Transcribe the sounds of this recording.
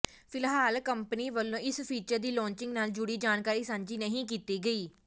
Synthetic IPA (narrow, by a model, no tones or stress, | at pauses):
pʰɪlɦaːlkəmpəniːʋəlːõːɪspʰiːt͡ʃəɾd̪iːlɔ̃ːɲt͡ʃɪŋɡnaːld͡ʒʊɽiːd͡ʒaːnkaːɾiːsãːɲd͡ʒiːnəɦĩːk̬iːt̪iːɡəiː